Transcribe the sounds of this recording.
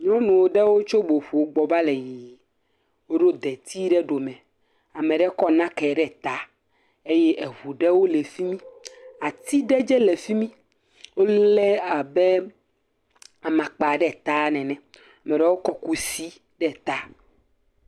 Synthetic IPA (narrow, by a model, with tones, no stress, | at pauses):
ɲɔ̃˦nũ˨wo˦ɖɛ˦wo˦t͡ʃo˦ɡ͡bo˨ɸu˨wo˦ɡ͡bɔ˨ba˦lɛ˨ji˨ | wo˦ɖo˦d̪ɛ˨t̪ʰi˦ɖɛ˦ɖo˨mɛ̃˨ | a˨mɛ̃˨ɖɛ˦kɔ˦nã˦kɛ˨ɖɛ˦˨t̪a˦ | e˦jɛ˦ʔɛ˨ɦu˨ɖɛ˦wo˦lɛ˨fi˦mĩ˦a˨t̪i˦ɖɛ˦d͡ʒɛ˦lɛ˨fi˦mĩ˦ | wo˦lɛ˦a˨be˦ | a˨mã˨k͡pa˨ɖɛ˦˨t̪a˦nɛ̃˨nɛ̃˨ | a˨mɛ̃˨ɖɛ˦wo˦kɔ˦ku˦si˦ | ɖɛ˦˨t̪a˦